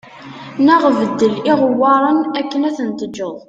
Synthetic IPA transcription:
nəʁvəd̪ːəliʁəwːɑɾˤənækːənæθənt̪əd͡ʒːəðˤ

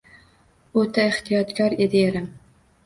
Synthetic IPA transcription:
ɵt̪ʰaeht̪ɪjɒt̪kʰʲɒɾed̪ɪeɾɪm

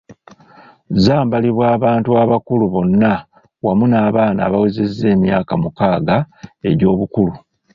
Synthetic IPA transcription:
zaːmbaliβwaːβaːntuaβakuluβo̞nːa | wamunaːβaːna̰ːβawezezːe̞ːmjaːkamukaːɡae̞ɾo̞ːβukulu

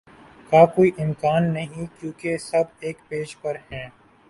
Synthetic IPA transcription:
kaːkoːiʔɪmkaːnːɐɦĩkjõːkesɐb̚eːkpeːd͡ʒpɐɾhɛ̃ː

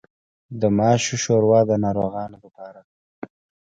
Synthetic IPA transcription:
d̪əmɑːʃoʃoɾwɑd̪ənɑɾoɣɑːnolapɑːɾa

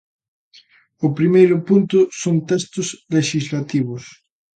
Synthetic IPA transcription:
ʊpɾimejɾʊpunt̪ʊsont̪ɛst̪ʊsleʃizlat̪iβʊs

